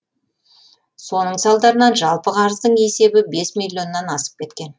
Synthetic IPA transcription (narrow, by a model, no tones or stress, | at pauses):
so̞nəɴsɑlˠd̪ɑɾənɑnʒɑlˠpəqʰɑɾəzd̪əɴe̞se̞bɪbe̞smilʲːjo̞nːɑnɑsə̥p̚kʲʰe̞t̪kʲe̞n